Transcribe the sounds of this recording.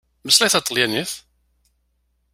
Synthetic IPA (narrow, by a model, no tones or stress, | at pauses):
məslæjθɑt̪ːˤəljæniθ